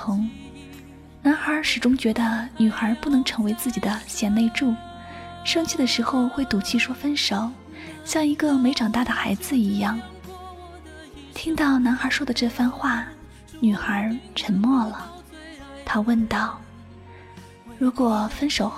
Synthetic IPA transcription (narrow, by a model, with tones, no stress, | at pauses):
ʊ˧˥ŋ | na˧˥nxə˞˧˥ʂɻ̩˨˩ʈ͡ʂʊ˥ŋt͡ɕɥɛ˧˥d̪ə˧ny˨˩xə˞˧˥pu˥˩nɤ˧˥ŋʈ͡ʂʰɤ˧˥ŋwe˧˥ɪt͡sɹ̩˥˩t͡ɕi˨˩d̪ə˦ɕjɛ˨˩ne˥˧ɪʈ͡ʂu˥˩ | ʂɤ˥˧ŋt͡ɕʰy˥˩d̪ə˩ʂɻ̩˧˥xo˥˧ʊxwe˥˩ɪt̪u˨˩t͡ɕʰi˥˩ʂwɔ˥fə˥nʂo˧˥ʊ | ɕjɑ˥˩ŋi˧˥ɡə˧me˧˥ɪʈ͡ʂɑ˨˩ŋt̪a˥˩d̪ə˩xa˧˥ɪd͡zɹ̩˥˧i˧˥jɑ˥˩ŋ | t̪ʰi˥ŋt̪ɑ˥˩ʊna˧˥nxə˞˧˥ʂwɔ˥d̪ə˨ʈ͡ʂɤ˥˧fa˥˧nxwa˥˩ | ny˨˩xə˞˧˥ʈ͡ʂʰə˧˥nmwɔ˥˩lə˩ | t̪ʰa˥wə˥˧nt̪ɑ˥˩ʊ | ɻu˧˥kwɔ˨˩fə˥nʂo˧˥ʊ